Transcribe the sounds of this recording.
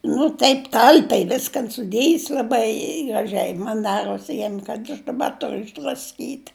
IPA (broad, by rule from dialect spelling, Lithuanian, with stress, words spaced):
nʊ ˈtɐɪp ˈtɐlʲpʲɛɪ ˈʋʲɪskɐn sʊˈdʲeːjɪs lˠɐˈbɐɪ ɡrɐˈʒʲɛɪ ˈmɐn ˈdɑːroːs ˈjiɛm kɐt ɐʃ dɐˈbɐ ˈtʊrʊ ɪʒdrɐsʲˈkʲiːtʲ